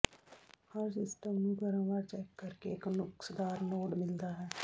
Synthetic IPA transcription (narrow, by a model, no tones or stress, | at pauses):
həɾsɪsʈəmnũːɡəɾãːʋəɾt͡ʃɛkːəɾkeɪknʊksd̪aːɾnoːɖmɪld̪aːɦɛː